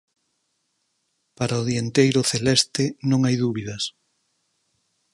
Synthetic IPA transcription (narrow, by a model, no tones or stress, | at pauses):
paɾaoðient̪ejɾʊθelɛst̪ɪnõŋajðuβiðɐs